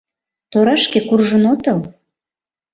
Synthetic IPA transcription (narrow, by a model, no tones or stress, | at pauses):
t̪oɾɑʃkekurʒə̆not̪ɤl